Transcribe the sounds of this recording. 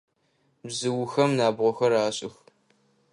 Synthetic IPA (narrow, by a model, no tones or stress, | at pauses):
bzɨwʊxɐmnaːbʁʷɔxɐɾaːɕʼɪx